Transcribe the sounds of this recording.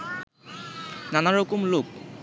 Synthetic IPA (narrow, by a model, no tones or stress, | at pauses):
nanaɹokumlok̚